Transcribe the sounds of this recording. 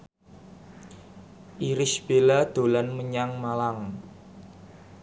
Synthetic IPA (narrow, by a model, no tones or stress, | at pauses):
ʔiɾɪsb̥elad̪̥o̤lanməɲaŋmalaŋ